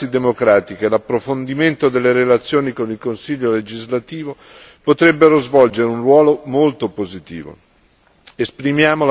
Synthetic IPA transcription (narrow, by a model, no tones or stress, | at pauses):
id̪emokɾaːt̪ik̟elapːɾofond̪iment̪od̪elːeɾelat̪sːjoːnikonilkonsiʎːoled͡ʒizlat̪iːvo | pot̪ɾɛbːeɾozvɔld͡ʒeɾeunrwɔːlomolt̪opozit̪ḭːvo̰ | espɾimjaːmol